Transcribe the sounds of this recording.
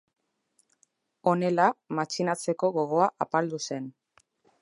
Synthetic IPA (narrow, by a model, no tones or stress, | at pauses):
o̞ne̞lamat͡ʃinat͡se̞ko̞ɣo̞ɣ̞o̞aʔapald̪use̞n